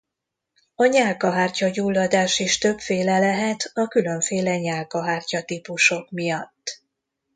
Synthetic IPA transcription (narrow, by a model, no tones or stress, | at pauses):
ɒɲaːlkɒɦaːrcɒɟuːlːɒd̪aːʃiʃt̪ø̞pfeːlɛlɛɦɛt̪ɒkylø̞ɱfeːlɛɲaːlkɒɦaːrcɒt̪ipuʃo̞kmijɒt̪ː